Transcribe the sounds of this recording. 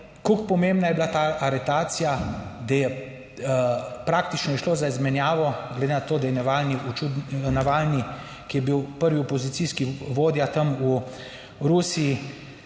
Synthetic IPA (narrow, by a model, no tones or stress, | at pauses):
kokpɔmembnajɛbilat̪aːɾɛt̪aːt̪sijad̪ajɛ | pɾak̚t̪it͡ʃnɔjɛʃloːzaizmɛnjaːʋɔɡled̪enat̪oːd̪ajɛnaʋalniut͡ʃud̪naʋaːlni | kijɛbiwpəɾʋiɔpɔzit̪siskiʋoːd̪jat̪ɐmu | ɾusiji